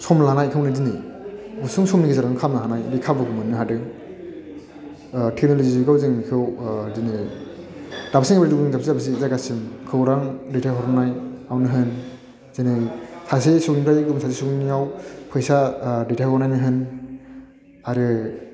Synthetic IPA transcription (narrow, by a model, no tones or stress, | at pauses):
sɔmlanajkʰɯwnɯdiniusɯŋsɔmniɡizaɾaŋkʰamnaɦanajbikʰabɯɡɯmɯnːɯɦadɯŋ | tʰek̚noloziiɡawzɯŋnikʰɯwdini | d̥apsiŋabaɾduɯŋzap̚siabs̬izaɡasimkʰɯwɾaŋdetʰajɦɔɾɔnajawnɯɦɯn | zinɯsʰasesɔknipɾajɡɯmsʰasesɔkninijawpʰɯjsadetʰajɔnajnɯɦɯn | aɾɯ